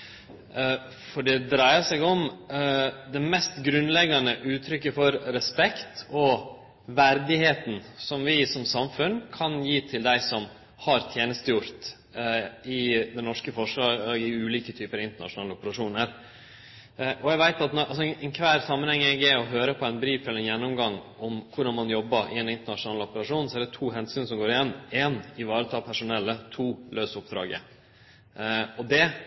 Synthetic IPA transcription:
fɔɖɛd̪ɾæɪəsɛɡɔm | d̪ɛmɛst̪ɡɾʉnlɛɡɑnəʔʉːt̪ʰɾʏkːəfɔɾɾɛspɛkt̪ɔ | ʋæɾd̪ɪheːt̪n̩sɔmʋɪsɔmsɑmfʉnkʰɑnjiːt̪ʰɪld̪æɪsɔm | hɑɾt̪ʰjeːnəst̪əjʊɾt̪ | ɪd̪ɛnɔʂkəfɔʂlɑːɡɡɪʉːliːkət̪ʰyːpəɾɪnt̪əɳɑ̰ʂʊnɑːləɔpəɾɑʂuːnəɾ | ʔɔɛɡʋæɪt̪ɑt̪nɔʔɑs̬ɔɛnkʰʋæːɾsɑmːənhɛŋːɛɡɛɔɦøːɾəpʰɔɛnbɾiːfɛlːɾɛnjɛnːʊmɡɑŋːʔɔmkʰʊɖɑnmɑnjɔbːɑɾʔɪ̰ɛnɪnt̪əɳɑʂʊnɑːləɔpəɾɑʂuːnsɔæɖɛt̪ʰuːɦɛnsyːnsɔmɡoːɾɪjɛnːɛːnɪʋɑːɾət̪ʰɑːpʰæʂʊnɛlːət̪ʰuːløːsʊp̚d̪ɾɑ̰ːɡə̰ | ɔd̪ɛ

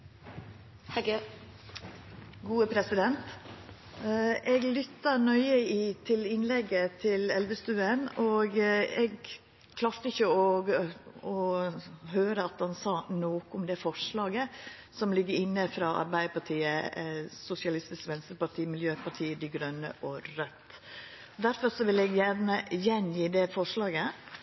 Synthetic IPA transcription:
h | ɡuːəpʰɾɛsɪd̪ɛnt̪ | ʔɛɡlʏt̪ːənœʏəiːt̪ʰɪlɪnlɛɡːət̪ʰɪlɛlʋəst̪ʉːənoːɡɛɡ | kʰlɑft̪əɪçəɔɡɔ | ɦøːɾəɑt̪hɑnsɑːnoːkʊmd̪ɛfɔʂɭɑːɡəsɔmlɪɡːəɾɪnːəfɾɑːʔɑ̰ɾbæɪd̪əpɑʈʰiːəsʊsɪɑlɪst̪ɪskʋɛnst̪ɾəpɑʈʰiːmɪljøːpɑʈʰiːəd̪ɪɡɾœnːə̰ʔɔɾœt̪ː | d̪æɾfɔɾsɔʋɪlɛɡjænəjɛnjiːd̪ɛfɔʂɭɑːɡə

